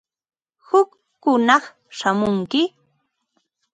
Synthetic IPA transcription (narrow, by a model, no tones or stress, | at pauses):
hʊkː | ʊnɑχ | ʃamʊŋkɪ